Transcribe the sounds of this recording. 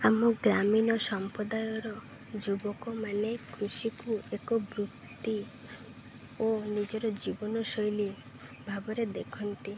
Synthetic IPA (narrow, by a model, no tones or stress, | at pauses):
amɔɡɾaminɔsɔmpɾɔd̪ajɔɾɔ | d͡ʒubɔkɔmanekʰɾusikuekɔbɾuk | t̪i | onid͡ʒɔɾɔd͡ʒibɔnɔsɔjli | bʱabɔɾed̪ekʰɔnt̪i